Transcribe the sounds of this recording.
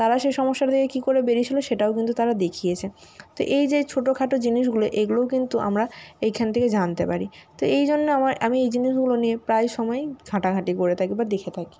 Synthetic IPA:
t̪aɾaʃeʃɔmoʃːaɾt̪ʰekʰekikoɾebeɾit͡ɕʰiloʃeʈaok̬int̪ut̪aɾad̪ekʰijet͡ɕʰe | t̪oʔejd͡ʑet͡ɕʰoʈokʰaʈod͡ʑiniʃ̬ɡuloʔeɡulookint̪uʔa̰mɾaejkʰant̪ʰeked͡ʑant̪epaɾit̪oejd͡ʑonːeamaɾa̰miejd͡ʑiniʃɡulonijepɾajʃɔmɔejɡʱãʈaɡʱaʈikoɾet̪ʰakibaɾd̪ekʰet̪ʰaki̥

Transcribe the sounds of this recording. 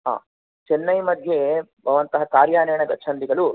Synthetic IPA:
ɦa̰ː | t͡ʃɛnːɐjmɐd̪jebʱɐʋɐnt̪ɐɦɐkaːɾjaːnɐjɐɳɐɡɐt͡ʃʰɐnd̪iɡɐlu

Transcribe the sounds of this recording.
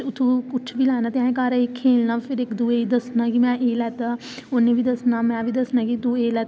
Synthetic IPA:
ʊt̪ʰũːkʊt͡ʃʰʋiːlɛːnaːt̪ɪãːkaːɾaɪkʰːeːlnaːpʰɪɾɪkd̪uːeːd̪əsnaːkimɛ̃ːʔeːlɛːt̪aː | ʊneːʋiːd̪əsnaːmɛ̃ːʋiːd̪əsnaːkit̪uːeːlɛːt̪

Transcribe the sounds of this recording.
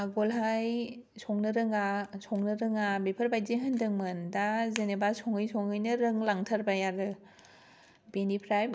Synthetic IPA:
aɡɔlɦajsʰɔŋnɯɾɯŋasʰɔŋnɯɾɯŋabepʰɯɾbajzeɦɯndɯŋmɯndazenebasʰɔŋɯjsʰɔŋɯjnɯɾɯŋlaŋtʰaɾbajaɾɯ | benipʰɾajb

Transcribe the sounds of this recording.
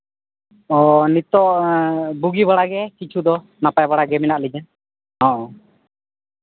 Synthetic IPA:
ɔnit̪ɔʔbuɡibaɽaɡɛkit͡ʃʰud̪ɔ | napajbaɽaɡɛminaʔlid͡ʒan | ɦɔ̃ʔɔ̃

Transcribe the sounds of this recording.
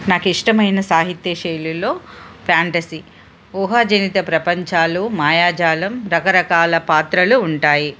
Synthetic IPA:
naːkiʂʈɐmɐjnɐsaːɦit̪jɐʃɐjlulo̞ːpʰjaːɳʈɐsi | uːɦaːd͡ʒɐnit̪ɐpɾɐpɐɲt͡ʃaːlumaːjaːd͡ʒaːlɐmɾɐkɐɾɐkaːlɐpaːt̪ɾɐluːɳʈaːji

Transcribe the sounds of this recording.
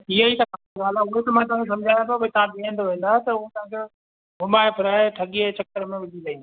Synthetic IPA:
iəit̪ɐkaaɡaːl̤aʊɦet̪ɐmãt̪ɐ̃ɦãkʰes̬ɐ̃md͡ʑʱaːjãt̪ʰapɐit̪ɐɦãbiə̃nd̪oʋẽːn̆d̪aːɦt̪ɐʊɦet̪ɐ̃ãkʰo | ɡʱʊmaːepʰɪɾaːeʈʰɐɠiet͡ɕɐk̚kəɾəmẽʋɪd͡ʑʱilɐĩn

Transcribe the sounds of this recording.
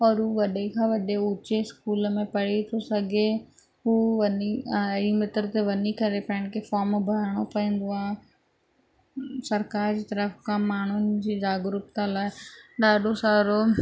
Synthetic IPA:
ɔːɾɦuʋɐɗekʰãːʋɐɗeʊt͡ɕeskuːləmẽpɐɽ̤it̪ʰosɐɡʱe | ɦuːʋɐniɐimɪt̪əɾt̪eʋɐnikɐɾepɐɪ̃ɽ̃kʰefaːɾmbʱɐɾɽ̃opɐĩːn̆d̪oaːɦ | sɐɾkaːɾd͡ʑiːt̪ɐɾəfkãːmaːɳ̤ʊnɪ̆d͡ʑiːd͡ʑaːɡɾuːpt̪ãlaːɦɪɗaːɖʱosaːɾo

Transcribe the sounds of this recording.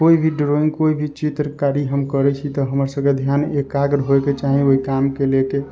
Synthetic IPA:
koibʱiɖɾoĩŋɡkoibʱit͡ʃit̪ɾəkaɾiɦəmkəɾɛt͡ʃʰit̪ɔɦəməɾsəked̪ʱjanekaɡɾɦoeket͡ʃaɦĩoɦikamkeleke

